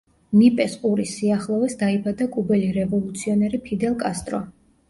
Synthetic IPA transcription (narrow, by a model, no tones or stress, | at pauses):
nipʼɛsqʼuɾisiaχlˠɔvɛsd̪aibad̪akʼubɛliɾɛvɔlˠut̪sʰiɔnɛɾipʰid̪ɛlˠkʼast̪ʼɾɔ̰